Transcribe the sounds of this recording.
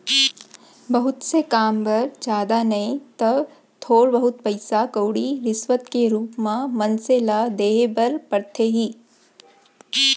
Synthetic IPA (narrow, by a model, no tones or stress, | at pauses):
bɐɦʊt̪sekaːmbɐɾd͡ʒjaːd̪anɐẽt̪ɐb | t̪ʰoːɾbəɦʊt̪̚pɐɪsakəːɽiɾɪsʋət̪keɾuːpmãmɐnselad̪eːbɐɾpɐɾt̪ʰeɦiː